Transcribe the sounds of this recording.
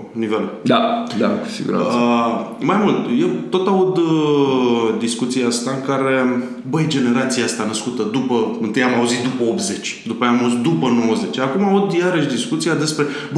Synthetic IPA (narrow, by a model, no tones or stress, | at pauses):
niveld̪ad̪a̰kusḭɡṵɾa̰ | majmult̪jewt̪o̞t̪aud̪ | d̪iskut̪siaast̪aɨŋkaɾe̞ | bəjd͡ʒe̞ne̞ɾat̪siaast̪anəskut̪əd̪upəɨnt̪ɨjamauzit̪̚d̪upəopze̞t͡ʃʲd̪upəjamauzit̪̚d̪upəno̞wəze̞t͡ʃakumaud̪jaɾəʃʲd̪iskut̪sijad̪e̞spɾe̞ | b